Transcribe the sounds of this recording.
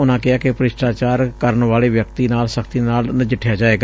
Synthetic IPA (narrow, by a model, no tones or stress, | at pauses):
ʊnãːkɪaːkɪpəɾɪsʈaːt͡ʃaːɾkəɾənʋaːleːʋjək̚t̪iːnaːlsəkʰt̪iːnaːlnəd͡ʒɪʈʰjaːd͡ʒaːeːɡa